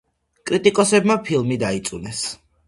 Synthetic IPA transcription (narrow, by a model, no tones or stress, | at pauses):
kʼɾit̪ʼikʼɔsɛbmapʰilˠmid̪ait̪sʼunɛs